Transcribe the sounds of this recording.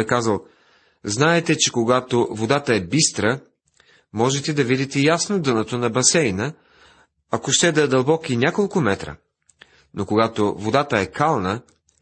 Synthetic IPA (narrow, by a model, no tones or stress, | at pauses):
ɛkazəlˠ | znaɛt̪ɛt͡ʃɛkoɡat̪ovod̪at̪əɛbist̪ɾə | mɔʒɛt̪ɛd̪ɐvid̪it̪ɛjasnod̪ɤnət̪onɐbɐsɛjnə | ɐkoʃt̪ɛd̪ɐd̪ɐlˠbɔkinʲakolˠkʊmɛt̪ɾə̰ | nokoɡat̪ovod̪at̪əɛkalˠnə